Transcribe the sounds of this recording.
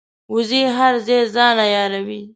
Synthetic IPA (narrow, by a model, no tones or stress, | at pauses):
uziɦaɾzezɑnajɑɾawi